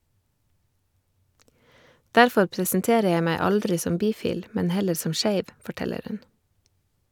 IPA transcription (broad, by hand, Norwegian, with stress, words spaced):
ˈdæɾfɔɾ pɾəsnˈteːɾə ˈjæɪ ˈmæɪ ˈɑldɾɪ ˈsɔm ˈbiːˌfiːl ˈmɛn ˈhɛləɾ ˈsɔm ˈʃeɪʋ fɔˈʈɛləɾ ˈhʉn